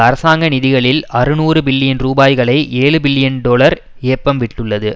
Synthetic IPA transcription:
ɐɾɐsaːŋɡɐnɪðɪɣɐɭɪlɐrɯnuːrɯbɪlːɪjɐnɾuːbaːjɣɐɭɐɪʔeːɭɯbɪlːɪjɐnɖoːɭɐɾ | eːpːɐmʋɪʈːɯɭːɐðɯ

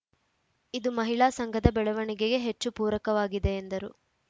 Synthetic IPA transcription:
id̪umɐɦiɭaːsɐŋɡʱɐd̪ɐbɛɭɛʋɐɳiɡeɡe̞ɦet͡ʃːupuːɾɐkɐʋaːɡid̪e̞ːnd̪ɐɾu

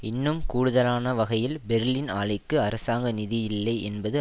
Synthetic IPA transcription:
ɪnːɯmkuːɽɯðɐlaːnɐʋɐɣɐjɪlbɛɾlinaːɭɐɪkːɯɐɾɐsaːŋɡɐnɪðɪjɪɪlːɐɪʔɛnbɐðɯ

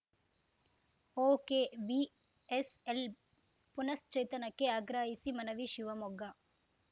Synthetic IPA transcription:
oːkeʋi | esel | punɐst͡ʃɐjt̪ɐnɐkːeaːɡɾaːɦisimɐnɐʋiʃiʋɐmɔɡɐ

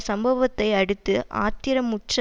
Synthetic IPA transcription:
sɐmbɐʋɐt̪ːɐɪɐɽɯt̪ːɯʔa̰ːt̪ːɪɾɐmːʊʈrɐ

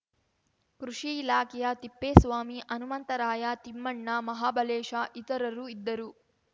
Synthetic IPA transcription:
kɾuʂiilaːkɛjat̪ipːeːsʋaːmiʔɐnumɐnt̪ɐɾaːjaːt̪imːɐɳːamɐɦaːbɐleːʂaːʔit̪ɐɾɐɾuid̪ːɐɾu

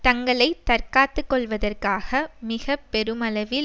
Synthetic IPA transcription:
t̪ɐŋɡɐɭɐɪt̪ɐrkaːt̪ːɯkːɔɭʋɐðɐrkaːɣɐmɪɣɐpːɛɾɯmɐlɐʋɪl

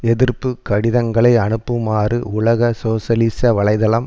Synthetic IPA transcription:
ɛðɪrpːɯkɐɽɪðɐŋɡɐɭɐɪɐnɯpːɯmaːrɯʊɭɐɣɐsoːsɐlisɐʋɐɭɐɪðɐlɐm

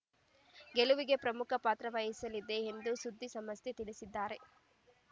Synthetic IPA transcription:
ɡeluʋiɡe̞pɾɐmukʰɐpaːt̪ɾɐʋɐjisɐlid̪e̞ːnd̪usud̪ʱːisɐmɐst̪et̪iɭisid̪ːaːɾe̞

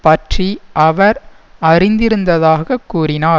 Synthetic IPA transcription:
pɐʈriʔɐʋɐɾ | ɐrɪnd̪ɪɾɯnd̪ɐðaːɣɐkːuːrɪnaː

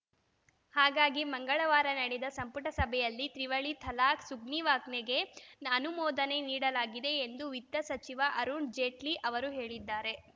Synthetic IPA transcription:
haːɡaːɡimɐŋɡɐɭɐʋaːɾɐnɐɽɛd̪ɐsɐmpuʈɐsɐbʱɛjɐlːit̪ɾiʋɐɭit̪ʰɐlaːksuɡniʋaːkneɡe̞nɐnumɔːd̪ɐne̞niːɽɐlaːɡid̪e̞ːnd̪uʋit̪ːɐsɐt͡ʃiʋɐʔɐɾuɳɖd͡ʒeːʈliʔɐʋɐɾuɦe̞ːɭid̪ːaːɾe̞

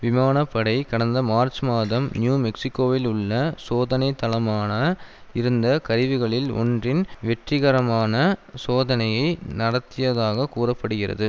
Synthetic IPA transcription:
ʋɪmaːnɐpːɐɽɐɪkɐɽɐnd̪ɐmaːɾt͡ʃmaːðɐmnjuːmɛksɪkːoːʋɪlʊɭːɐsoːðɐnɐɪt̪ːɐlɐmaːnɐ | ɪɾɯnd̪ɐkɐɾɪʋɯɣɐɭɪlɔ̰ndrɪnʋɛʈrɪɣɐɾɐmaːnɐsoːðɐnɐjɐɪnɐɽɐt̪ːɪjɐðaːɣɐkuːrɐpːɐɽɯɣɪrɐ̰ðɯ

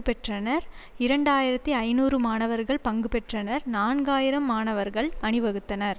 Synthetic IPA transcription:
ɯpɛʈrɐnɐɾ | ɪɾɐɳɖaːjɪɾɐt̪ːiɐɪnuːrɯmaːnɐʋɐɾɣɐɭpɐŋɡɯpɛʈrɐnɐɾnaːnɡaːjɪɾɐmːaːnɐʋɐɾɣɐɭɐɳɪʋɐɣɯt̪ːɐnɐɾ

